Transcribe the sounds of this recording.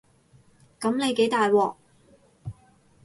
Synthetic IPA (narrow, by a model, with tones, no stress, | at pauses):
kɐ˨˥mne˨˧jke˨˥jt̪aː˨jwɔː˨k̚